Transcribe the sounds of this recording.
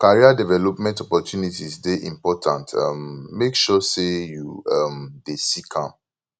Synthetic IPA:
kaɹiadɛvɛlɔpmɛ̃ntɔpɔtʰjunitisdeʔĩmpɔtʰã̰nta̰mːekʃɔsejuamdesikʰãm

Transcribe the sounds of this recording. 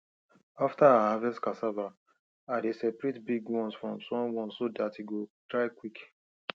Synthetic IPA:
aftaahavɛstkasava | adesɛpɹitbiɡwɔ̃nsfɹɔ̃msɔ̃mwɔ̃nssodatiɡodɹaɪkwik

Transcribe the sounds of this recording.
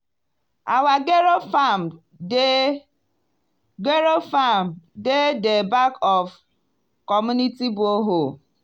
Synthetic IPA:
awaɡeɾom | ɡeɾofam̩dedebakɔf | kɔmunitibʊoɦo

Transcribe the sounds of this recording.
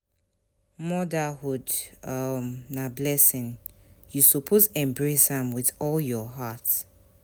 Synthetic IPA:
mɔdəhudʌmnablɛsɪ̃njusɔpʰozɛ̃mbɹesãmwɪðɔljɔɦat

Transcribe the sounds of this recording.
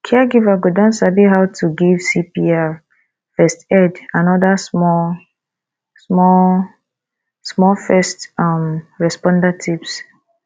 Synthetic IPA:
kʰɛɡivaɡodɔ̃nsabiɦaʊtʰuɡivsipia | fɛstɛdãnɔdasmɔ | smɔl | smɔfɛstɔmɹɛspɔ̃ndatʰips

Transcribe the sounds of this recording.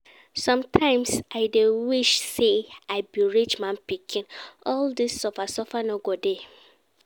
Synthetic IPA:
sɔ̃mtʰãɪ̃msaɪdewiʃseaɪbiɹit͡ʃmãnpikʰĩnʔɔldisɔfasɔfanoɡode

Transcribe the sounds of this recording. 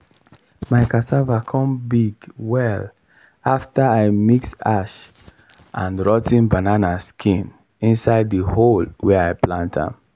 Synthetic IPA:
maɪkasavakʰɔ̃mbiɡwɛl | aftaaɪmiksaʃ | ʔãnɹɔtĩnbananaskʰĩn | ĩnsaɪdiholwɛaɪplãntã̰m

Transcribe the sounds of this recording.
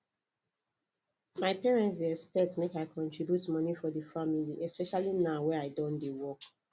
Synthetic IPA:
maɪpɛɹɛ̃nt̬iɛspɛtmekaɪkʰɔ̃ntɹ̥ibjutmʌnifɔðəfamiliʔɛspɛʃalinawɛaɪdɔ̃ndewɔk

